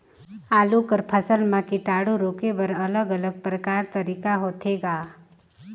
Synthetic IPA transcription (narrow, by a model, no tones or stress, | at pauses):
aːlukəɾpʰəsəlmãkiʈaːɽuɾoːkebəɾɐləɡələɡ̚pɾəkaːɾt̪əɾiːkaɦoːt̪ʰeɡaː